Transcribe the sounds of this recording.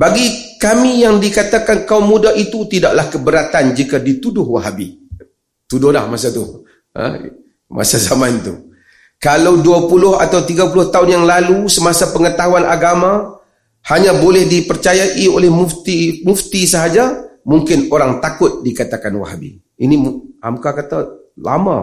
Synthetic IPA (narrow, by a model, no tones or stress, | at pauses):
baɡikamijaŋdikat̪akankaumːudaɦit̪ut̪idaʔlahkəbəɾat̪and͡ʒikadit̪udʊhwaɦabḭ | t̪udʊhla̰hmas̬at̪u | ə̰ | mʔa̰sazamant̪ṵ | kalawduapulʊha̰t̪awt̪iɡapulʊht̪aʊnjaŋlalusəmasapəŋət̪aɦuanʔaɡama | haɲãbolɛhdipərt͡ʃajaʔiolɛhmuft̪imuft̪isəɦad͡ʒamuŋkɪnoɾaŋt̪akʊt̪̚dikat̪akanwa̰ɦa̰bḭ | inima̰mkakat̪a | la̰ma̰